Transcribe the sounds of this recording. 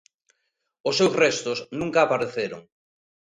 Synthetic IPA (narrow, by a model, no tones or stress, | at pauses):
ʊsːewzrest̪ʊsnũŋkaːpaɾeθeɾo̰ŋ